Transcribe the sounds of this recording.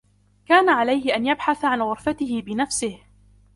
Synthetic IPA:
kaːnaʕalajhɪʔanjabħaθaʕanɣʊɾfat̪ɪhɪbɪnafsɪh

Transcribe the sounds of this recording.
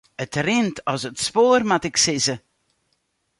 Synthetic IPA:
ətrɪntʰɔsətspoːrmatɪksɪzə

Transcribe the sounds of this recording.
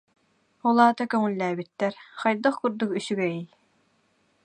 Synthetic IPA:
ɔlˠaːt̪akœŋulːæːbyt̪ːɛɾχɑjd̪ɯχkuɾd̪ukysyɡɛij

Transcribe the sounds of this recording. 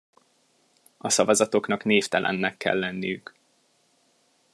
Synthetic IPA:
ɒsɒvɒzɒt̪o̞knɒkneːft̪ɛlʔɛ̰nːɛkːɛ̰lːɛnːijyk

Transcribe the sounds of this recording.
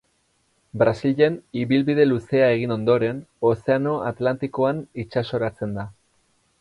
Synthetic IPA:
bɾasiʎe̞niβilβiðe̞luse̞ae̞ɣ̞ino̞nd̪o̞ɾe̞no̞se̞ano̞at̪lant̪iko̞anit͡ʃaso̞ɾat͡se̞nd̪a

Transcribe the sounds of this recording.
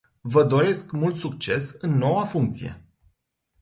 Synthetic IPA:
vəd̪o̞ɾe̞skmult̪sukt͡ʃe̞sɨnːo̞wafuŋk̚t̪sije̞̰

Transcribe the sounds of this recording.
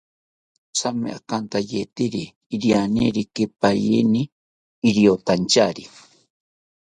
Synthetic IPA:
samḛa̰kant̪ajet̪iɾiː | ɾianḭɾikepajiniː | ɾiot̪ant͡ʃaɾi

